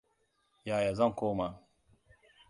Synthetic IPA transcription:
jaː˨ja˨zɐ˦ŋkʷoː˦ma˨

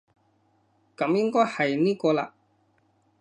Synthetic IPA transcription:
kɐ˨˧˥mjɪ˥ŋkɔː˥jhɐ˨jniː˥kɔː˧la̰˧

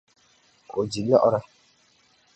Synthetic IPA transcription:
ko˨d͡ʒi˨lɔ˦ʔɔ˦ɾa˦

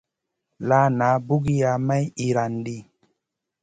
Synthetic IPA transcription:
la˦na˨˦bu˦ɡi˦ja˧ma˦ji˨ɾa˨ndi˦˨

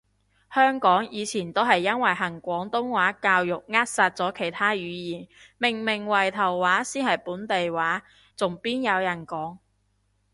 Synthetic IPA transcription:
hœː˥ŋkɔː˨˥ŋjiː˨˧t͡sʰiː˨˩nt̪o˥wɦɐ˨jːɐ˥nwɐ˨˩jɦɐ˨˩ŋkʷɔː˨˥ŋt̪ʊ˥ŋwaː˨˥kaː˧wjʊ˨k̚ŋaː˥t̚saː˧t̚t͡sɔː˨˥kʰe˨˩jt̪ʰaː˥jyː˨˧jiː˨˩nmɪ˨˩ŋmɪ˨˩ŋwɐ˨˩jt̪ʰɐ˨˩wːaː˨˥siː˥nhɐ˨jpuː˨˥nt̪e˨jwaː˨˥ | t͡sʊ˨ŋpiː˥njɐ˨˧wjɐ˨˩nkɔː˨˥ŋ

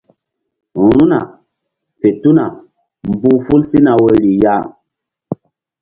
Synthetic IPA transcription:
u˨ɾu˦na̰˨ | fe˨tu˦na˨ | m˨bu˦fu˦lsi˦na˨we˨li˨ja˦˨

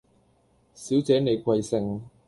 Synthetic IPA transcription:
si˨˥wt͡sɛː˨˥ne˨˧jkʷwɐ˧jsɪ˧ŋ

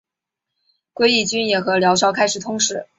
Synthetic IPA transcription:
kwe˥˧ɪi˥˩t͡ɕy˥njɛ˨˩xɤ˧˥ljɑ˧˥ʊʂɑ˥ʊkʰa˥ɪʂɻ̩˨˩t̪ʰʊ˥ŋʂɻ̩˧˩˦

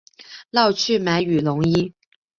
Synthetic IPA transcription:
lɑ˥˧ʊt͡ɕʰy˥˩ma˧˥ɪy˨˩lʊ˧˥ŋi˥

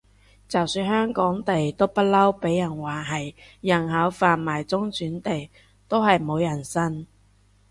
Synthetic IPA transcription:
t͡sɐ˨˩wsyː˧nhœː˥ŋkɔː˨˥ŋt̪e˨jt̪o˥wpɐ˥t̚lɐ˥wpe˨˥jːɐ˨˩nwaː˨˩ɦɐ˨jjɐ˨˩nɦaː˨˥wfaː˨nmaː˨˩jt͡sʊ˥ŋt͡syː˨˥nt̪e˨j | t̪o˥wɦɐ˨jmo˨˧wjɐ˨˩nsɐ˥n

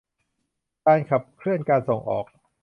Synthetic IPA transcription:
kaː˧nkʰa˨˩p̚kʰɾɯ˥˩ənkaː˧nso˨˩ŋʔɔ̰ː˨˩k̚

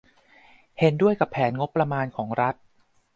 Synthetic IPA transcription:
he˩˦ndu˥˩əjka˨˩pʰːɛː˩˦nŋo˦˥pːɾa˧maː˧nkʰɔː˩˦ŋɾa˦˥t̪̚

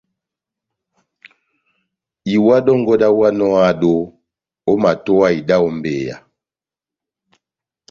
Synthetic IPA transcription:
i˨wa˦dɔ˦ŋ̩˦ɡɔ˦da˦wa˦nɔ˦a˦˨do˦ | o˦ma˨tɔ˦a˦i˨da˦o˦m˦beː˨ja̰˨

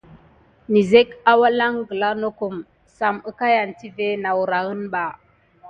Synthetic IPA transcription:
ni˨ze˦ka˦wa˦la˦ŋɡə˨la˦no˦ku˨m | sa˨mə˦ka˦ja˨nti˦ve˦na˨wu˨ɾa˨ɣə˦nba˨

